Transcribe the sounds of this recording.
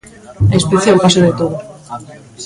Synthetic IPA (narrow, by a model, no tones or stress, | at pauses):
espeθjapasoðet̪oð̞o